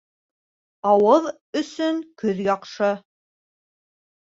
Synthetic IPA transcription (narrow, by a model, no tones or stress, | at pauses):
ɑwɤð | ɵ̆sɵŋkɵðjɑqʃɤ